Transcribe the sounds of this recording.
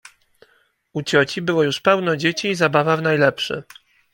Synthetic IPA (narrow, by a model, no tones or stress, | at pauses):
ut͡ɕɔt͡ɕibɘwɔjuʂpɛwnɔd͡ʑet͡ɕiːzabavavn̪ajlɛpʂɘ̰